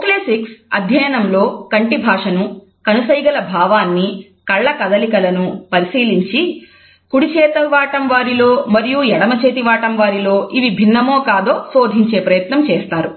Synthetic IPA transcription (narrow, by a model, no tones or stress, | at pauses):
kleːsiksɐd̪ʱjɐjɐnɐmlo̞ːkɐɳʈibʱaːʂɐnu | kɐnusɐjɡɐlɐbʱaːʋaːnːi | kɐɭːɐkɐd̪ɐlikɐlɐnupɐɾisiːliɲt͡ʃi | kuɽit͡ʃɛːt̪ɐʋaːʈɐmʋaːɾilo̞ːmɐɾijujɛɽɐmɐt͡ʃeːt̪̬iʋaːʈɐmʋaːɾiloːʔiʋibʱinːɐmo̞ːkaːd̪o̞ːso̞ːd̪ʱiɲt͡ʃe̞ːpɾɐjɐt̪nɐmt͡ʃeːst̪aːɾu